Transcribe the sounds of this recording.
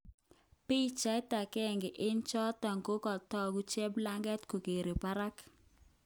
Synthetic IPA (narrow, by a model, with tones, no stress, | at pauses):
pi˦t͡ʃa˦ta˨kɛ˦˨ŋɡɪ˨ʔɪ˦nt͡ʃɔ˦ta˨ŋko˦kɔ˨tɔ˦ɡu˦t͡ʃɛ˦bla˦ŋɡɛ˦tko˨ke˨ɾe˨pa˦ɾa˦k